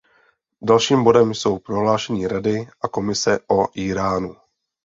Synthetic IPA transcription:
dalʃiːmbo̞dɛmjso̞wpɾo̞ɦlaːʃɛɲiːɾadɪʔako̞mɪsɛʔo̞ʔiːɾaːnu

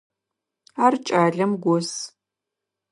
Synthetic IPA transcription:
aːrt͡ʃʼaːɮɐmɡʷɔs

